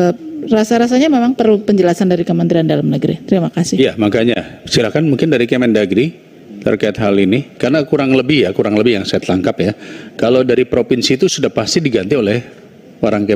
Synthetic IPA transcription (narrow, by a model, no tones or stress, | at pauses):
ərasaɾas̬aɲamemaŋpərlupəɲd͡ʒəlasandaɾikəmənt̪ɾiandalamnəɡɾḭt̪əɾimakasɪhjamakaɲasilahkanmuŋkɪndaɾikemɛndaɡɾi | t̪ə̰rkaɪt̪̚ɦalinikarnakuɾaŋləbɪhjakuɾaŋləbɪhjaŋsaat̪laŋkapjakalowdaɾipɾopinsiːt̪usudahpast̪idiɡant̪iolɛh | oɾaŋke